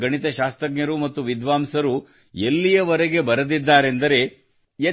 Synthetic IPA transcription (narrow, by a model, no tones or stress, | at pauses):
ɡɐɳit̪ɐʃaːst̪ɾɐɡɲɐɾumɐt̪ːuʋid̪ʋaːmsɐɾu | elːijɐʋɐɾeɡe̞bɐɾɐd̪id̪ːaːɾe̞nd̪ɐɾe̞ | e